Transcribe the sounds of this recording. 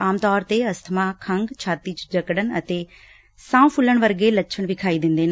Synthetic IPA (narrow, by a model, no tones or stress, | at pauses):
aːmt̪ɔːɾt̪eːəst̪ʰəmãːkʰəŋɡt͡ʃʰaːt̪iːt͡ʃd͡ʒəkɽənət̪eː | sãːũːpʰʊləɳ̃ʋəɾɡeːlətːʃʰəɳ̃ʋɪkʰaːiːd̪ɪ̃nd̪eːne